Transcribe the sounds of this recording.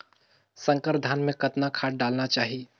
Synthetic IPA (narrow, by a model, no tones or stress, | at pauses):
sə̃ŋkəɾd̪ʱanmẽkət̪nakʰaːʈ̚ɖalnat͡ʃaːɦi